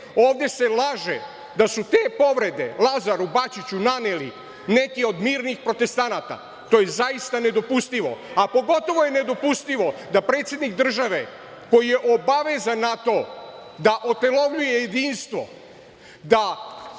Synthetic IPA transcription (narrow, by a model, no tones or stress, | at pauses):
oːʋd̪e̞se̞lˠaʒe | d̪asut̪e̞ːpo̞ʋɾe̞d̪e̞̰lˠazaɾubat͡ʃit͡ɕunaneli | nekio̞d̪miːɾnixpɾo̞t̪e̞st̪anaːt̪a̰ | t̪oːjezaist̪ane̞d̪o̞pust̪iʋo̞̰apo̞ɡo̞t̪o̞ʋo̞jene̞d̪o̞pust̪iʋo̞d̪apɾet̪sje̞d̪nikd̪r̩ʒaʋe̞ | ko̞jijeʔo̞baʋe̞zanːat̪o̞d̪aʔo̞t̪e̞lo̞ʋʎujejed̪iːnst̪ʋo̞̰ | d̪a